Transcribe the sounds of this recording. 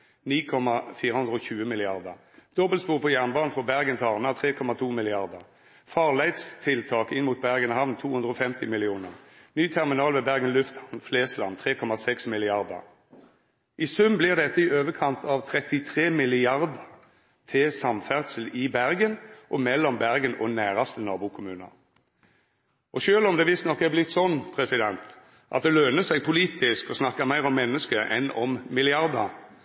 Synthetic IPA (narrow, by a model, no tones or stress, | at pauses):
niːkʰɔmɑfiːʁəhʉnd̪ʁəɔːçʉːəmɪlɪɑʁd̪ə̰ʁ | d̪̥ɔbəlspuːʁpʰɔjæʁnbɑːnfɔbæʁɡənt̪ʰɑʁnɑt̪ʰʁeːkʰɔmɑt̪ʰuːmɪlɪɑʁd̪əʁ | fɑːʁlæɪd̪st̪ʰɪlt̪ʰɑːkɪnmuːt̪̚bæʁɡənhɑʋnt̪ʰuːhʉnd̪ʁəɔːfɛmt̪ɪmɪlɪuːnəʁ | nyːt̪ʰæʁmɪnɑːlʋeːbæʁɡənlʉft̪hɑʋnfleːslɑ̰nt̪ʰʁeːkʰɔmɑsɛksmɪlɪɑʁd̪ə̰ʁ | ʔɪsʉmblɪʁd̪ɛt̪ːəɪøːʋəkʰɑnt̪ʰɑʋt̪ʰɾɛt̪ɪt̪ʰʁeːmɪlɪɑʁd̪ə | t̪ʰɪsɑmfæʁd̪səl̩ɪbæʁɡənʔɔmɛlːɔmbæʁɡənɔ̰næːʁɑst̪ənɑːbuːkʰʊmʉːnɑ̰ | ʔɔʃøːlɔmd̪ɛʋɪst̪nɔkːɛblɪt̪ːsɔnːpʰʁɛsɪd̪ɛnt̪ | ʔɑ̰t̪̚d̪ɛløːnəsæɪɡpʰʊliːt̪ʰɪskɔsnɑkːəmæɪʁɔmːɛnːəskəʔɛ̰nɔmmɪlɪɑʁd̪ə